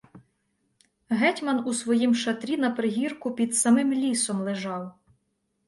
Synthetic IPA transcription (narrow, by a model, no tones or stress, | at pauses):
ɦɛtʲmɐnusʋɔjimʃɐt̪ɾʲinɐpɾɪɦʲirkʊpʲid̪sɐmɪmlʲisɔmlˠeʒɑw